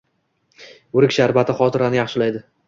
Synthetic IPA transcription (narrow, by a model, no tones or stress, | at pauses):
ʊɾɪkʲʃaɾbat̪ʰɪχɒt̪ʰɪɾanɪjɑχʃɪlajd̪ɪ